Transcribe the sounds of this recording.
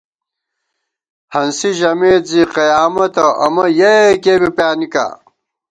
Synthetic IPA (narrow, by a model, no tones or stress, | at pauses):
hɐnsiʑɐmeːt̪ziqɐjaːmɐt̪ɐʔɐmɐjekeːbipjaːnika̰ː